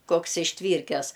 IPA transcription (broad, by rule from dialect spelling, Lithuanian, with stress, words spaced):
ˈkoːks ɪʃʲˈtʲʋʲiːrʲkʲɛs